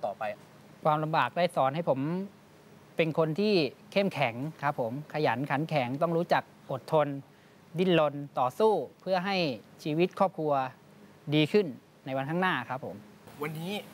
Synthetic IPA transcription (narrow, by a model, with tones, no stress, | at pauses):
t̪ɔː˨˩pa˧j | kʰwaː˧mla˧mbaː˨˩k̚daː˥˩jsɔː˩˦nɦa˥˩jpʰo˩˦m | pe˧nkʰo˧nt̪ʰiː˥˩kʰe˥˩mkʰɛ˩˦ŋkʰa˦˥pʰːo˩˦mkʰa˧ja˩˦nkʰa˩˦nkʰɛ˩˦ŋt̪ɔ˥˩ŋɾuː˦˥t͡ɕa˨˩k̚ʔo˨˩t̪ʰːo˧n | di˧˥˩nlo˧nt̪ɔː˨˩suː˥˩pʰɯ˥˩ɐɦa˥˩jt͡ɕʰiː˧wi˦˥t̪̚kʰɔː˥˩p̚kʰu˧ɐ | diː˧kʰɯ˥˩nː | a˧jwa˧nkʰa˥˩ŋnaː˥˩kʰa˦˥pʰːo̰˩˦mwa˧nːiː˦˥